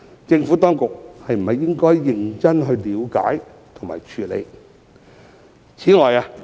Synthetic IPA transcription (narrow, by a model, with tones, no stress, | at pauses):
t͡sɪ˧ŋfuː˨˥t̪ɔː˥ŋkʊ˨k̚hɐ˨jm̩˨˩hɐ˨jːɪ˥ŋkɔː˥jːɪ˨˩ŋt͡sɐ˥nɦɵ˧ɥliː˨˧wka̰ː˨˥j | t̪ʰʊ˨ŋma̰ː˨jt͡ʃʰyː˨˧lḛ˨˧j | t͡sʰiː˨˥ŋɔː˨jaː˧